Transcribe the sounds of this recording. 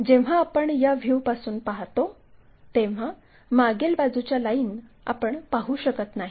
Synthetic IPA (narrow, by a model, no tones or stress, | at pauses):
d͡ʑeʋ̤aːpəɳjaʋʱjuʋpasuːnpaɦt̪o | t̪eʋ̤a | maɡelbad͡zut͡ɕjalaiːn | a̰pəɳpaɦuɕəkət̪naɦi